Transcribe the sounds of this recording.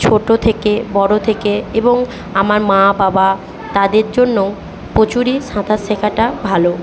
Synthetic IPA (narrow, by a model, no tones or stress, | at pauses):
t͡ɕʰoʈot̪ʰekebɔɽot̪ʰekeeboŋ | amaɾmãbaba | t̪ad̪eɾd͡ʑonːo | pot͡ɕuɾiʃãt̪ʰasekʰaʈabʱalo